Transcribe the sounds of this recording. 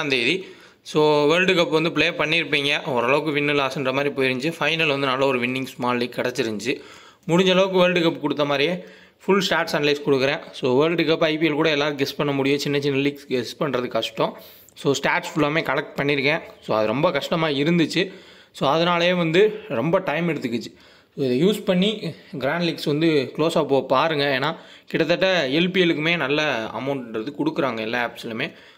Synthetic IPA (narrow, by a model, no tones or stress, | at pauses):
nd̪eði | soːʋeːlɖɯkɐpːʋɐnd̪ɯp̬ɪɭeːpɐɳːɪɾɯpːiːŋɡɐʔɔɾɐlɐʋɯkːɯʋɪnːɯlaːsɐndrɐmaːd̪ɾipoːjɪɾɯɲd͡ʒɯfɐɪnɐlʋɐnd̪ɯnɐːlːɐɔɾɯʋɪnːɪŋɡsmaːlliːkːɐɽɐt͡ʃːɪɾɯɲd͡ʒɯ | mʊɽʊɲd͡ʒɐɭɐʋɯkːɯʋeːlɖɯkɐp̬ːkɔɽɯt̪ːɐmaːd̪ɾɪjẽ | fʊɭsʈaːɾʈsɐnlɐɪskɔɽɯkːɯɾẽːsoːʋeːɾɭɖɯkɐpːɐɪpiɛlkuːɽɐɛlːaːɾɯɡɛspɐɳːɐmʊɽɪjõːt͡ʃɪnːɐt͡ʃːɪnːɐliːksɡɛspɐɳːɾɐðɯkɐʂʈːɔ̃ | soːsʈaːʈsfʊlːaːmeːkɐlɐk̚ʈ̚pɐɳːɪɾɯkːɛ̃ːsoːɐðɯɾɔmbɐkɐʂʈɐmaːɪɾɯnd̪ɯt͡ʃːɯ | soːɐðɐnaːlɐjẽːʋɐnd̪ɯɾɔmbɐʈɐɪmɛɽɯt̪ːɯkːɯt͡ʃːɯ̥ | soːɪðɐjuːspɐɳːiɡɾaːɳɖlɪksʋɐnd̪ɯkɪɭoːsaːpoːɐpaːɾɯŋɡɐeːnːaː | kɪɽɐt̪ːɐʈːɐɛlpiɛlɯkːɯmeːnɐlːɐɐ̰mɐʊɳʈɐɳɾɐðɯkɔɽɯkːɯɾaːŋɡɐɛlːaaːpsɐlɐmeː